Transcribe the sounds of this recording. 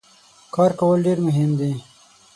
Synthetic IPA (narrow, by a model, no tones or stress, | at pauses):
kɑːɾkawəlɖeɾmʊɦɪmd̪i